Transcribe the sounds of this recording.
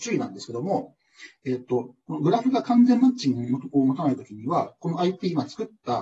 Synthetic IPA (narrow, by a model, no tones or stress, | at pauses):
t͡ɕɨinã̰nd̪esɨ̥ke̞d̪o̞mo̞ | e̞ːt̪ːo̞ko̞no̞ɡɯ̟ɾaɸɯ̟ɡakãnd͡zẽ̞mːat͡ɕĩŋoooːmot̪anaɯ̟t̪o̞kʲiɲ̟iβako̞no̞aitʲiːmat͡sɨ̥kɯ̟t̪ːa